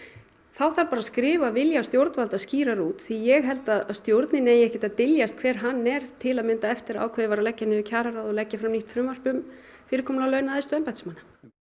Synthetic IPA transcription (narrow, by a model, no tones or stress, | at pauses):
θawθaɾpaːɾaskɾɪːvavɪljast̪jowɾt̪nvalt̪asciːɾaɾuːt̪θijɛɣɦɛlt̪aðast̪jowɾt̪nɪneːjɛhcɪt̪aðt̪ɪljast̪̚kʰv̥ɛːɾ̥ɦanːɛɾ̥t̪ʰɪlaðmɪnt̪aɛft̪ɪɾa̰ːwkʰvɛːðɪvaɾalɛcːanɪðɪcʰaːɾaɾawðɔlɛcːafɾamniht̪fɾʏmːar̥pʏm | fɪːɾɪɾ̥kʰɔːmlalœːɥnaðɪst̪ʏɛmpajt̪smanːḁ